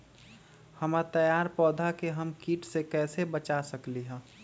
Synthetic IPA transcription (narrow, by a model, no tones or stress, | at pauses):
həmat̪əjaːɾpɔːd̪ʱakeɦəmkiːʈsekɛːsebət͡ʃasəkliɦɛ̃ː